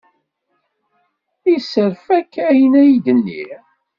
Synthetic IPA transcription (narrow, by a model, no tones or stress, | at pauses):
isəɾfækːæjənæjid̪ənːḭ